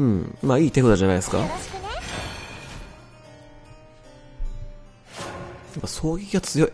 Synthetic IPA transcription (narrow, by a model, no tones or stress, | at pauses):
ɯ̟̃ɴmaːiːt̪e̞kɯd̪oʑanaiesɨ̥ka̰ | japːaso̞ːɡʲikʲiɡat͡sɨjo̞i